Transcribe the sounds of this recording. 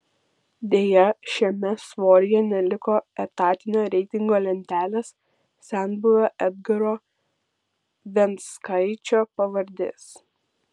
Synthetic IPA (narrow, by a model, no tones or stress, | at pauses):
d̪ʲeːjɛʃʲɛmʲɛsʋoːɾʲɪjɛnʲɛlʲɪkoːɛt̪ɑːt̪ʲɪnʲoːɾʲɛɪt̪ʲɪŋɡoːlʲɛnʲt̪ʲæːlʲeːs | sʲæˑnbʊʋʲoʔɛd̪ɡɐɾoː | ʋʲɛnt̪skɐɪt͡ʃʲoːpɐʋɐɾʲd̪ʲḛːs